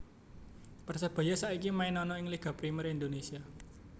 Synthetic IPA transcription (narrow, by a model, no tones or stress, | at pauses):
pərsəb̥a̤jasaʔikimainɔnɔɪŋliɡ̥a̤pɾiməɾind̪onesia